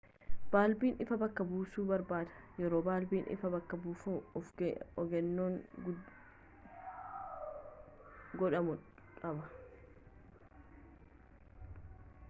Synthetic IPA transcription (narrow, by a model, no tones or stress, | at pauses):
b̥aːlbiːnɪfɐbɐkːɐbuːsuːbɐɾbaːd̪ɐ̥jɛɾoːbaːlbiːnʔɪ̰fɐbɐkːɐbuːfuːɔfɡɔɡɛnːoːŋ | ɡɔᶑɐmʊᶑɐbɐ